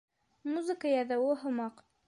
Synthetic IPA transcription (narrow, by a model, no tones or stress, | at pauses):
muzɨkəjɑðæwɘɦŏmɑq